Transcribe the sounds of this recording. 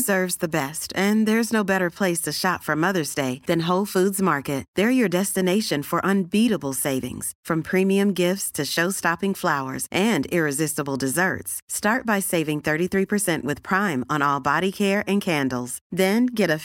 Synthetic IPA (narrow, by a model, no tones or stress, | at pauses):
zɜ˞vzðɨbɛstɨ̃nðə˞ɨznoʊbɛɾə˞pʰl̥eɪstʰɨʃɑtfə̃mʌðə˞zdeɪðɨ̃nɦoʊlˠfudzmɑɹkɨt̚ðə˞jə˞dɛstɨneɪʃɨ̃nfə˞ʔə̃nbiɾəbl̩ˠseɪvɪ̰̃ŋz̥fɹʌ̃mpʰɹ̥ĩmiɨ̃mɡɪftstʰɨʃoʊstɑpɪ̃ŋflaʊə̰˞zʔɨ̃ndɪɹɨzɪstəbl̩ˠdɨzɜ̰˞tstɑɹt̚b̥aɪseɪvɪ̃ŋθɜ˞ɾiθɹipʰə˞sɛ̃nʔwɨð̥pʰɹ̥ãɪ̃mə̃nɔlˠbɑɾikʰɛɹɨ̃nkʰæ̃ndˡl̩ˠz̥ðɨ̃nɡɛɾɨ